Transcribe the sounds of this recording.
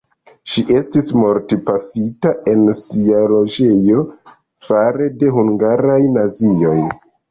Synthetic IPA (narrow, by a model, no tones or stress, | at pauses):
ʃiʔe̞stismo̞ɾtipafitae̞nsialo̞d͡ʒe̞jo̞ | faɾe̞de̞ɦuŋɡaɾajnazio̞j